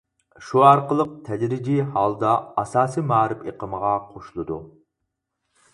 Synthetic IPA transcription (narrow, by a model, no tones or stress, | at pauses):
ʃuɑɾqəlˠəq̚t̪ʰɛd̪ɾid͡ʒihɑlˠd̪ɑːsɑːsimɑːɾɪpeqəməʁɑqʰoʃlˠɨd̪u